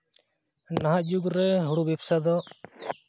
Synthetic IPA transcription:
naɦaʔd͡ʒuɡɾɛɦuɽubɛpsad̪ɔ

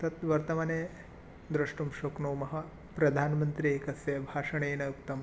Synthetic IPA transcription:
t̪ɐt̪ʋɐɾt̪ɐmɐneː | d̪ɾɐʂʈumʃoknoːmɐɦɐ̆ | pɾɐd̪ʱaːnmɐnt̪ɾieːkɐsjɐbʱaːʂɐɳeːnɐjukt̪ɐm

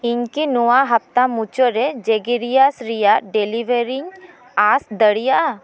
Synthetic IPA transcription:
ɪnkinuaɦɐp̚t̪amut͡ʃoɾɛd͡ʒeɡiɾijasɾijaɖeliʋeɾiŋ | asd̪əɽijaʔ

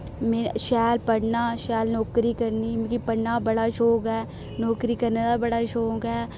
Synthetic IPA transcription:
meʃɛːlpəɽnaːʃɛːlnɔːkɾikəɾnimkipəɽnabəɽaːʃoːkɦɛː | nɔːkɾikəɾned̪abəɽaʃoːkɦɛː

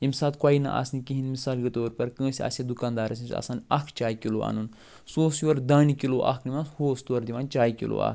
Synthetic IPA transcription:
imsaːt̪kwaːinɐ̰ʔa̰snikiɦinmisaːlɡɐt̪oːɾpɐɾkə̃ːsʲiɐ̰ːsʲad̪ukaːnd̪aːɾɐsĩsʲɐ̰saːnʲɐkʰt͡ʃaːjikiloːa̰ːnun | soːsjuɐɾd̪aːnikiloːʔa̰kʰnimãnshoːst̪uɐɾd̪iʋãːnt͡ʃaːjkḭlo̰ːa̰ːk

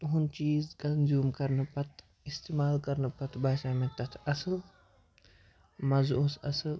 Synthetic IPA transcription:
t̪ɦunt͡ʃiːzkɐnzuːmkɐɾnɨpɐt̪ | ist̪eːmaːlkɐɾnɨpɐt̪baːʃaːmet̪ɐt̪ʰɐsɨl | mɐzosɐsɨl

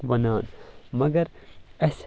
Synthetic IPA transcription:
bɐnaːnmɐɡɐɾɐs

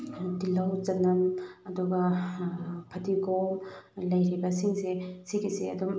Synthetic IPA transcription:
dilɐwzɐnɐmɐduɡɐ | pʰɐdiɡomlɐjɾibɐsiŋsesiɡiseɐ̰dum

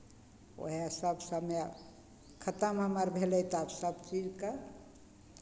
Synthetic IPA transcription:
o̰ɦasəbsəme | kʰət̪əmɦəməɾbʱelɛjt̪absəbt͡ʃid͡ʒkə

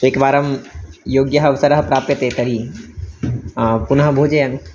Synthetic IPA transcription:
ekʋaːɾɐmjoːɡjɐɦɐʋsɐɾɐɦɐpɾaːpjɐt̪eːt̪ɐɾi | punɐɦɐbʱoːd͡ʒejani

